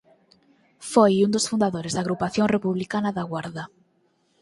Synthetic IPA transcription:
fojund̪osfund̪aðoɾezðaɣɾupaθjoŋrepuβlikanaðaɣwaɾða

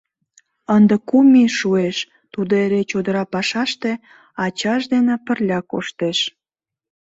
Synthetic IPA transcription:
ənd̪əkumiʃueʃ | t̪ud̪oeɾet͡ɕod̪əɾɑpɑʃɑʃt̪e̽ | ɑt͡ɕɑʃd̪enepərlʲɑko̰ʃt̪eʃ

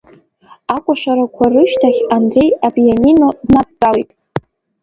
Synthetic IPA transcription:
akʷʼaʂaɾakʷʰarɨʃtʰaχʲandre̞jabjanino̞dnap̚ʼkʼalitʼ

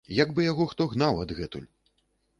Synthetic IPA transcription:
jɐɡbɨjaɣɔxt̪ɔɣn̪awɐd̪ɣɛt̪ṵlʲ

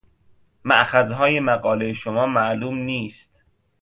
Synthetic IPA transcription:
mæʔxæzɦɒːjemæɢɒːlejeʃomɒːmæʔluːmniːst̪

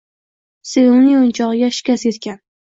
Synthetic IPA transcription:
seʊnɪŋʊnt͡ʃʰɒʁɡʲaʃɪ̥kʲasjet̪kʲan

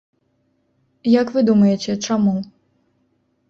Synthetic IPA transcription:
jɐkvɨd̪umɐjɛt͡sʲɛt͡ʂamu

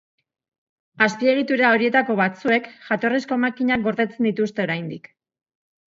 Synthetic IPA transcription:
aspie̞ɣ̞it̪uɾeao̞ɾie̞t̪ako̞βat͡sue̞kʝat̪o̞risko̞makiɲak̚ɡo̞ɾðe̞t͡se̞nd̪it̪ust̪e̞o̞ɾajnd̪ik

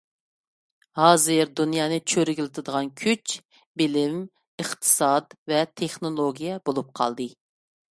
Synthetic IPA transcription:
hɑːzɨɾd̪unjɑːnɨt͡ʃʰøɾɪɡʲilɪt̪ʰɨd̪əʁɑnkʲʰyt͡ʃ | bɪlɪm | ɨχt̪ʰɨ̥sɑd̪vɛt̪ʰeχnolˠoɡʲijɛbolˠup̚qʰɑ̰lˠd̪ɨ

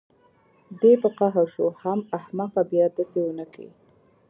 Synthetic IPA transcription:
d̪epəqaɦaɾʃohamahmaqabjɑd̪asewənəkḭ

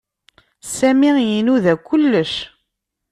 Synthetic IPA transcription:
sæmijinuðækʷːʊlːəʃ

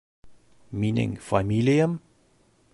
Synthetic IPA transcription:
miːnɪ̰̃ŋfɔɛmiliə̃m

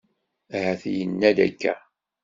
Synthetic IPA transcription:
æɦæθjənːæðæ̰kːæ̰

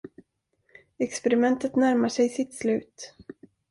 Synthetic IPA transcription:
ɛkspɛɾɪmɛnt̪ət̪næɾmaʂɛjsɪt̪slʉ̟ːt̪

